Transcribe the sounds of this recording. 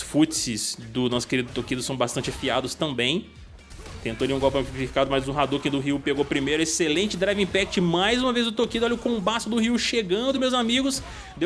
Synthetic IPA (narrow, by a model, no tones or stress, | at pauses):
ʊsfut͡ʃsɪsd̪ʊnɔsʊ̥keɾid̪ʊt̪okid̪ʊsɐ̃w̃bast̪ɐ̃nt͡ʃɪfiad̪ʊst̪ɐ̃mbẽj̃ | t̪ẽnt̪oalĩũɡɔwpɐmifi̥kad̪ʊmajzũɦad̪ukĩd̪ʊɦiwpeɡowpɾimejɾʊeselẽt͡ʃɪd̪ɾajvĩpɛk̚t͡ʃɪmajzũmɐvejzd̪ʊt̪okidʊɔlɐʊkõũbasʊd̪ʊɦiwʃeɡɐ̃nd̪ʊmewzamiɡʊs | d̪ew